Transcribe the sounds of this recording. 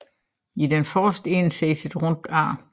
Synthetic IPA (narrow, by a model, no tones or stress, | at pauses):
idenfɒːsd̥e̝nseːsid̥ʁɔnd̥ɑ̰̈ː